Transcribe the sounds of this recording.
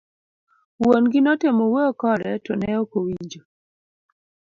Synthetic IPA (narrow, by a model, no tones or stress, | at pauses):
wonɡɪnɔtemoweokɔɾɛtɔnɛokowiɲd͡ʒo